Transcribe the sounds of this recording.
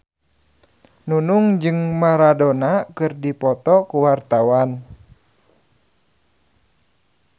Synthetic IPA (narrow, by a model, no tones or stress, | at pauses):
nunuŋd͡ʒɨŋmaɾadonakɨrdipɔt̪ɔkuwart̪awan